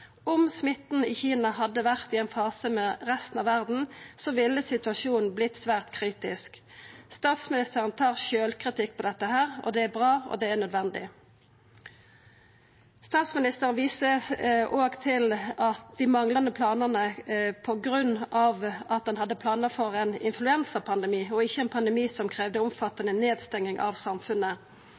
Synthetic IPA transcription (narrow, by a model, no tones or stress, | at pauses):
ʊmsmɪt̪n̩ɪːçiːnɑhɑd̪ːəʋæʁt̪ɪɛːnfɑːsəmɛʁɛst̪n̩ɑʋæʁd̪n̩soʋɪlːəsɪt̪ʉɑʃuːnn̩blɪt̪sʋæːʁt̪kʰʁiːt̪ɪsk | st̪ɑːt̪smɪnɪst̪əʁənt̪ʰɑːʁʃøːlkʰʁɪt̪ɪkːpʰɔd̪ɛt̪ːəhæːʁɔ̰d̪ɛæbʁɑːɔ̰d̪ɛæʁnœd̪ʋɛnd̪ɪ̰ | st̪ɑːt̪smɪnɪst̪əʁənʋiːsəʔoːɡt̪ʰɪlɑt̪d̪ɪmɑŋlɑnəpʰlɑːnəʁnəpʰɔɡʁʉnɑʋɑt̪̚d̪ɛnhɑd̪ːəpʰlɑːnəʁfɔʁɛnɪ̰nflʉɛnsəpʰɑnd̪ɛmiːɔɪçːəɛnpʰɑnd̪əɛmiːsɔmkʰʁeːʋd̪əʊmfɑt̪ːɑnəneːd̪st̪ɛŋːɪŋʔɑ̰ʋsɑmfʉnə